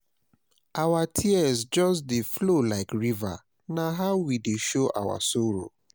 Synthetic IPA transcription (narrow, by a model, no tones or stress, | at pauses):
ʔawatʰiɛzd͡ʒɔs̬deflolaɪkɹiva̰ | naɦaʊwideʃoʔa̰wa̰soɹo̰